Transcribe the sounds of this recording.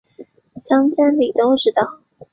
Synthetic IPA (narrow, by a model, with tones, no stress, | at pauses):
ɕjɑ˥ŋt͡ɕɛ˥nli˨˩t̪ʊ˥ŋʂɻ̩˥t̪ɑ˨˩